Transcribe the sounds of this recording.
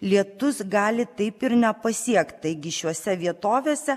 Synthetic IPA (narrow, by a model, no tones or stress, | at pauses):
lʲiɛt̪ʊsɡɑːlʲɪt̪ɐɪpɪɾnʲɛpɐsʲiɛkt̪t̪ɐɪɡʲɪʃʲuɔsʲɛʋʲiɛt̪oːʋʲeːsʲɛ